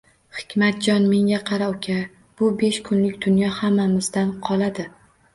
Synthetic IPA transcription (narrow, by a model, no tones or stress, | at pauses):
hɪ̥kʲmat̪̚d͡ʒɒnme̞ŋɡʲaqʰɑɾaʊkʲʰa | b̥ʊbe̞ʃkʰʊnlɪkʲd̪ʊnjɒhamːamɪzd̪anqʰɒlˠad̪ɪ